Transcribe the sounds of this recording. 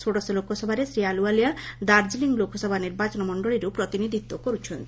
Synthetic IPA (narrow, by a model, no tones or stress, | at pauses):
soʈasolokʰːoʃɔbʱaɾesɾialualijad̪aɾd͡ʑiliŋlokʰːoʃɔbʱaniɾbat͡ɕonmɔɳɖoɭeɾewpɾot̪inid̪ʱit̪ːokoɾut͡ɕʰon